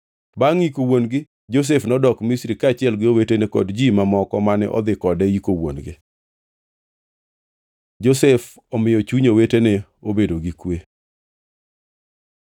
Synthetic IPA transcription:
baŋikowonɡɪ | d͡ʒos̬efnɔdɔkmisɾikaːt͡ʃɪɛlɡɪowetenekɔ̰dd͡ʒimamɔkɔmanɛ̰ʔɔ̰d̪ɪkɔdɛikowo̰nɡɪ̰ | d͡ʒosɛf | ɔmɪjɔt͡ʃuɲoweteneobedoɡɪkwe

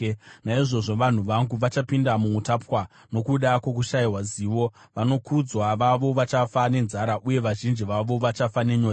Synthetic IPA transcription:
naiʐo̞ʐo̞ʋan̤uʋaŋɡuʋat͡ʃapindamuutapwa | no̞kuɗakwo̞k̬uʃaiwaziːʋo̞ | ʋano̞kud͡zwaʋaʋo̞ʋat͡ʃafane̞nzaɾaʔuje̞ʋaʒind͡ʒiʋaʋo̞ʋat͡ʃafane̞ɲo

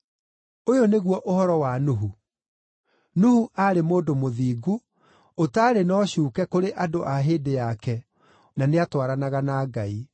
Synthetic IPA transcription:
ojoneɣwɔʔohɔɾɔwanuɦu | nuhuʔaɾemoːdomoðiːɡu | otaːɾenɔːɕuːkɛkoɾeʔadoʔaɦeːdejakɛ | naneatwaɾanaɣanaːɡai

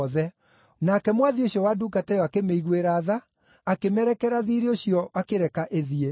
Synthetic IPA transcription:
ðɛ | nakɛmwaðioɕiɔwadukatɛjɔakemeiɣweɾaːðaː | kemɛɾɛkɛɾaðiɾeoɕiɔakeɾɛkaʔeðie

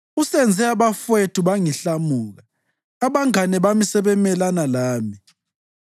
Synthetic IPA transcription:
usɛnd͡zʱɛaβafwetʰʼuβaŋiɬamuːɣaː | βaŋanɛβamisɛβɛmɛlanalaːmi

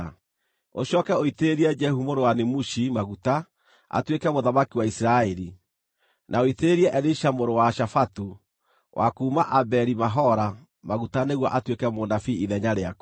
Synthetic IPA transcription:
oɕɔːkɛoiteɾiɛd͡ʒɛhumoɾowanemuʃimaɣuta | a̰twekɛmoðamakiwaisiɾaɛɾi | nʔaoiteɾiɛʔɛɾiʃamoɾowaʃafatu | wʔa̰kuːmaʔabɛɾimaɦɔɾa | maɣutaneɣwɔʔatwekɛmonafiiðɛɲaɾeak

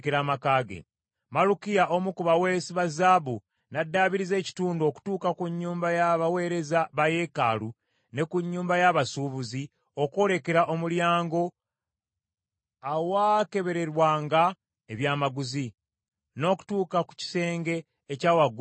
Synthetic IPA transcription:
keɾaːmakaːɡḛ | malukijaʔomukuβawe̞siβazaːβu | nadːaːβiɾize̞ːci̥tuːndo̞ːku̥tuːkakuɲːuːmbajaβawe̞ːɾe̞zaβaje̞ːka̰lu | ne̞kuɲːuːmbajaβasuːβuzi | o̞ko̞ːle̞ke̞ɾaʔo̞muljaːŋɡo̞ | awake̞βe̞ɾe̞ɾwaːŋɡa | eβjaːmaɡuzi | no̞ːku̥tuːkaku̥ci̥se̞ːŋɡe̞ː | caːwaɡu

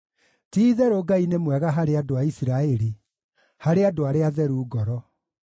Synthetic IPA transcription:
tiːðɛɾoɡainemwɛɣaɦaɾeadoaisiɾaɛɾi | haɾeadoaɾeaðɛɾuːɡɔɾɔ

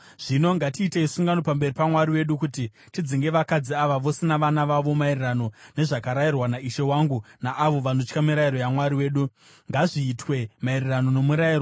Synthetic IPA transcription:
ʐ̥ino̞ŋɡatiːteisuŋɡano̞pambe̞ripamwaɾiwe̞ɗukuti | tid͡ziŋɡe̞ʋakad͡ziaʋaʋo̞sinaʋanaʋaʋo̞mairirano̞ne̞ʐakaɾairwanaiʃe̞waŋɡunaʔaʋo̞ʋanot͡ʃkamiɾaiɾo̞jamwaɾiwe̞ːɗu | ŋɡaʐiːtwe̞mairirano̞no̞muɾairo

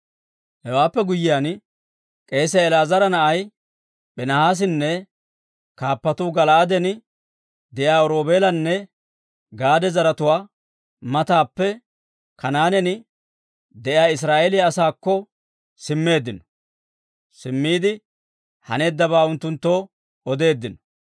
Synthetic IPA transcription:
hɛwaːpːɛɡʊjːɪjaːn | kʼe̞ːs̬ɛɛlaːzɐɾɐnɐʔɐj | bɛnɐhaːs̬ɪnːɛ | kaːpːɐt̪uːɡɐlɐʔɐd̪ɛnɪ | d̪ɛʔjaːɔɾo̞ːbe̞ːlɐnːɛ | ɡaːd̪ɛzɐɾɐt̪ʊwaː | mɐt̪aːpːɛ | kɐnaːnɛnɪ | d̪ɛʔɪjaːɪs̬ɾaːʔeːlɪjaːsaːkːɔ | sɪmːe̞ːd̪ːɪnɔ̥ | sɪmːiːd̪ɪ | hɐ̰neːd̪ːɐβaːʊnt̪ːʊnt̪ːo̞ː | ɔd̪e̞ːd̪ːɪnɔ̥

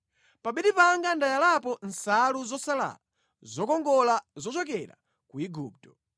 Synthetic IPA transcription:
paɓiɗipaŋɡandajalapɔn̩saluzɔsala̰la | zɔkɔŋɡɔlazɔt͡ʃɔk̬ɛɾa̰ | kuiɡuːp̚tɔ̥

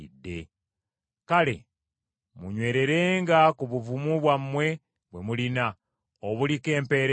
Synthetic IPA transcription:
idːe̞ | kale̞̰ | muɲwe̞ːɾe̞ɾe̞ːŋɡakuβuvumuβwamwe̞ | βwe̞mulina | oβulike̞ːmpe̞ːɾ

